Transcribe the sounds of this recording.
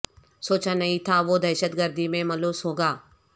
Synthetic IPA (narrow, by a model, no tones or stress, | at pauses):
soːt͡ʃãnɐɦĩt̪ʰaʋod̪ɐːʃət̪ɡəɾd̪ʱimẽmɐloːsɦoːɡaː